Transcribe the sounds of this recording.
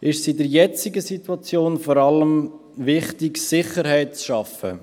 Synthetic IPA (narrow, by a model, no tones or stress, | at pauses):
ʔɪʃsidəɾjɛt͡sɪɡəsitwɑt͡sjoːnfɔɾɑləm | ʋɪχtɪksɪχəɾhɛɪt̚t͡sʃɑfə̰